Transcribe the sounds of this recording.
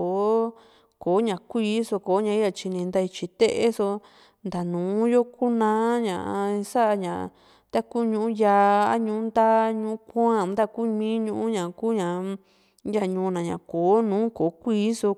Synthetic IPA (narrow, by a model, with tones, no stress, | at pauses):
o˨˦ | ko˨˦ɲã˨kʷiː˦so˧koː˨˦ɲã˧i˦ja˧t͡ʃi˧nĩ˧nd̪a˧i˧t͡ʃi˧t̪e˦ʔe˦so˧ | nd̪a˨nũː˨˦jo˦ku˦nãː˧˦ɲã̰˨ʔa˧sa˦ʔa˧ɲã˨˧ | t̪a˦kuː˦˨ɲũ˧ʔũ˦ja˧a˦ɲũ˧˦nd̪a˦ɲũ˧˦kʷã˦˨˧nd̪a˦ku˦mĩː˦ɲũ˧ʔũ˦ɲã˨kuː˦ɲã˨ | ja˧˨ɲũ˧˦˧nã˨ɲã̰˨koː˨˦nũː˨˦ko˨˦kʷiː˦so˧